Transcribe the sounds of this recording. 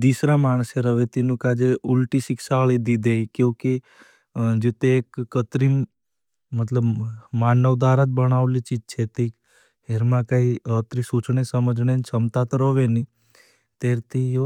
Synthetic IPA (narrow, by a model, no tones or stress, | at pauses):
d̪isɾamaɳ̃seɾəʋet̪inũkad͡ʒeulʈiʃɪksaɭid̪id̪ejkjõke | d͡ʒet̪eːkːət̪ɾim | mət̪ləbmaːnəʋd̪aɾat̪̚bəɽ̃aʋlit͡ʃid͡ʒt͡ʃʰet̪ik | ɦeɾmãkaiət̪ɾisut͡ʃɳesəməd͡ʒɳent͡ʃʰəmt̪at̪ɾəʋeni | t̪eɾt̪ʰi